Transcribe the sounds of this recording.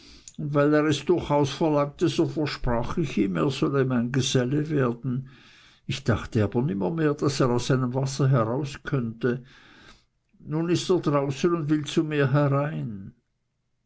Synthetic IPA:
ʊntvaɪleːʁɛsd̥ʊɐçaʊsfɛɐlaŋ̚təzoːfɛɐʃpʁ̥aːxɪçiːmḛːɐz̥ɔləmaɪnɡəzɛləveːɐdn̩ | ɪçd̥aχtəaːbɐnɪmɐmeːɐd̥aseːʁaʊsz̥aɪnəmvasɐɦɛʁaʊskʰœntə | nunɪsteːɐdʁaʊsənʊndv̥ɪlt͡sumiːɐɦɛʁaɪn

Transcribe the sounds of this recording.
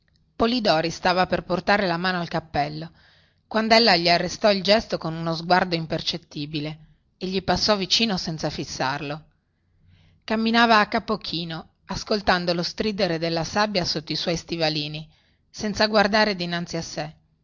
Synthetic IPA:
polid̪ɔːɾist̪aːvaperport̪aːɾelamaːnoalkapːɛlːo | kwand̪oɛlːaʎiarːest̪ɔild͡ʒɛst̪okonunozɡward̪oimpert͡ʃet̪ːiːbile | eʎːipasːɔvit͡ʃiːnosɛnt̪safisːarlo | kamːinaːvaːkːapok̟ʰiːno | askolt̪and̪olost̪ɾiːd̪eɾed̪elːasabjasot̪ːoiswɔjst̪ivaliːni | sɛnt̪saɡward̪aːɾed̪inant̪siasːe

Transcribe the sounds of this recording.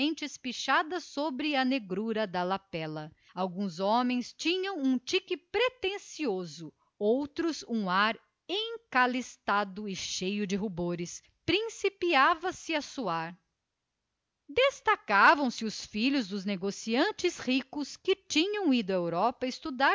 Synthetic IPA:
ẽnt͡ʃɪspiʃad̪ɐsobɾɪɐneɡɾuɾɐd̪ɐlapɛlɐ | awɡũzɔmẽj̃st͡ʃĩɲɐ̃w̃ũt͡ʃikɪpɾet̪ẽsiozʊ | owt̪ɾʊzũaɾ | ẽkalist̪ad̪ʊɪʃejʊd͡ʒɪɦuboɾɪs | pɾĩsipiavɐsɪɐsuaɾ | d̪est̪akavɐ̃w̃sɪʊsfiʎʊzd̪ʊzneɡosiɐ̃nt͡ʃɪshikʊskɪt͡ʃĩɲɐ̃w̃id̪ʊɐewɾɔpɐɪst̪ud̪a

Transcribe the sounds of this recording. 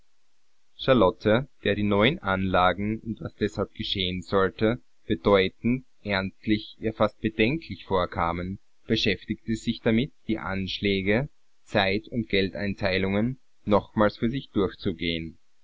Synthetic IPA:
ʃaɐlɔtʰəd̥eːɐɾiːnɔʏənʔanlaːɡŋ̩ʊntvasd̥ɛshalp̚ɡ̥əʃeːənzɔltə | b̥əd̥ɔʏtn̩t | ʔɛɐnstlɪçjaːfast̚b̥əd̥ɛŋkʰlɪçfoːɐkʰaːmən | b̥əʃɛftɪktəz̥ɪçd̥amɪtd̥iːʔa̰nʃlɛːɡə | t͡saɪtʊntɡ̥ɛlta̰ɪntʰaɪlʊŋənː | ɔχmaːlsfyːɐzɪçd̥ʊɐçt͡suɡeːən

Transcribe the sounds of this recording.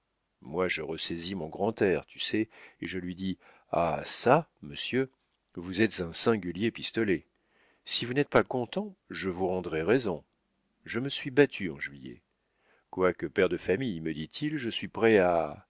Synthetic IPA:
mwaʒəʁəsɛzimɔ̃ɡʁɑ̃t̪ɛʁt̪y̥sɛeʒəlɥid̪i | a̰saməsjø | vuzɛt̪z̥ɛ̃sɛ̃ɡʲyljepist̪ɔlɛ | sivunɛt̪̚pakɔ̃t̪ɑ̃ʒəvuʁɑ̃d̪ʁɛʁɛzɔ̃ | ʒəməsɥibat̪ʰyɑ̃ʒɥijɛ̰ | kwakəpɛʁd̪əfamijməd̪it̪ʰilʒəsɥipχɛa

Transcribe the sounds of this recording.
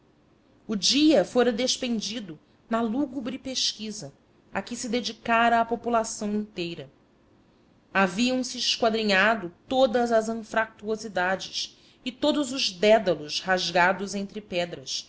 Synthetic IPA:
ud͡ʒiɐfoɾɐd̪eʃpẽnd͡ʒid̪ʊ | nɐluɡubɾɪpeʃkizɐ | akɪsɪd̪ed͡ʒikaɾɐːpopulasɐ̃w̃ĩnt̪ejɾɐ | aviɐ̃w̃sɪɪʃkwad̪ɾiɲad̪ʊt̪od̪ɐzɐzɐ̃fɾak̚t̪uozid̪ad͡ʒɪs | ɪt̪od̪ʊzʊʒd̪ɛd̪ɐlʊʃhaʒɡad̪ʊzẽnt̪ɾɪpɛd̪ɾɐs

